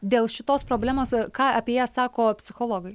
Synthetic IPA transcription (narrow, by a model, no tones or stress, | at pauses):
d̪ʲeːlˠʃʲɪt̪oːspɾoːbʲlʲæːmoːskɑːɑpʲieɛjæːsɑːkoːpʲsʲɪxoːlˠoːɡɐɪ